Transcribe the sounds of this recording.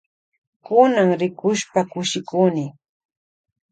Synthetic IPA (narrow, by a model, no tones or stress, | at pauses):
kʊnaŋɾɪkʊʃpakʊʃɪkuːnɪ